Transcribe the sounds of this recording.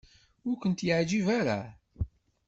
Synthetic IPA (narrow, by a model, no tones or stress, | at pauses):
ʊɾkʷənt̪jəʕd͡ʒivaɾa̰